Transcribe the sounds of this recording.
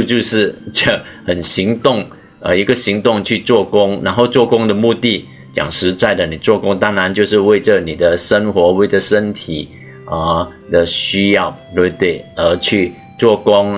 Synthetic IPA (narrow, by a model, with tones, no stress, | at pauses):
u˥˧t͡ɕjo˥˧ʊʂɻ̩˥˩t͡ɕa˥˩xə˨˩nɕi˧˥ŋt̪ʊ˥˩ŋ | ə˨˩i˧˥ɡə˧ɕi˧˥ŋt̪ʊ˥˧ŋt͡ɕʰy˥˧t͡swɔ˥˧kʊ˥ŋɻa˧˥nxo˥˧ʊt͡swɔ˥˧kʊ˥ŋd̪ə˨mu˥˧t̪i˥˩ | t͡ɕjɑ̰˨˩ŋʂɻ̩˧˥t͡sa˥˩ɪd̪ə˩ni˨˩t͡swɔ˥˩kʊ˥ŋt̪a˥ŋɻa˧˥nt͡ɕjo˥˧ʊʂ̬ɻ̩˥˧we˥˧ɪʈ͡ʂə˨ni˨˩d̪ə˦ʂə˥nxwɔ˧˥we˥˩ɪd͡ʒə˩ʂə˥nt̪ʰi˨˩ | ə˨˩ | d̪ə˨ɕy˥jɑ˥˩ʊt̪we˥˧bt̪we˥˩ɪə˧˥t͡ɕʰy˥˧ | t͡swɔ˥˩kʊ˥ŋ